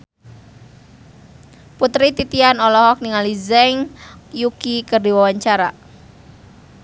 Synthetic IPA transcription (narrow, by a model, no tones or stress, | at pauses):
put̪ɾit̪it̪ianɔlɔɦɔk̚niŋalizɛŋjukikərdiwawaɲt͡ʃaɾa̰